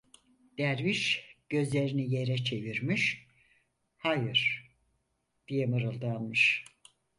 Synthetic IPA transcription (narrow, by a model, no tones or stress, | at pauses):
d̪̥æɾviʃɟ̥ø̞zlʲe̞ɾinije̞ɾɛt͡ʃʰe̞viɾmiʃ | hajɯɾ̥ | d̪̥ijɛmɯɾɯlˠd̪alˠmɯʃ